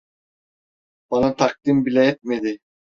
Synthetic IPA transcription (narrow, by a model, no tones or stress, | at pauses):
b̥ɑnat̪ʰɑk̚d̪imbilʲɛɛt̪̚med̪ɪ